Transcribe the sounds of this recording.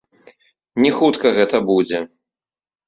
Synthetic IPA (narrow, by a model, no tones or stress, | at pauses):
nʲɛxut̪kɐɣɛt̪ɐbud͡zʲɛ